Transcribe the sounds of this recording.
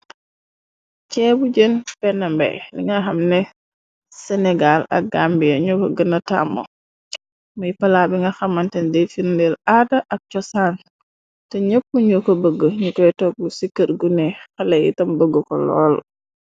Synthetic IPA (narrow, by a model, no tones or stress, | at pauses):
t͡ʃɛbuɟənpɛnambɛ̰lḭŋɡaxamnɛ | sɛnɛɡalɐ̰k̚ɡambijaɲukɔɡənɐta̰ːmɔ̰ | mujpɐlabiŋɡɐxɐmːantɛndefiɾndɛladaʔɐk̚t͡ʃɔsan | tɔɲəpːuɲukɔbəɡːəɲukɔtɔːk̚busikːətɡunɛxɐlɐjḭtɐmbəɡːəkɔ̰lɔ̰ːl